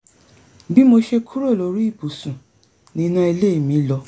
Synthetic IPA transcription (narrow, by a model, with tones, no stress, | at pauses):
bi˦mo˧ʃe˧kʰu˦ɾo˦˨lo˨˦ɾi˦i˦˨bu˨sũ˨ | nĩ˧˦nã˧˦i˧le˦i˦˨mĩ˨˦lɔ˧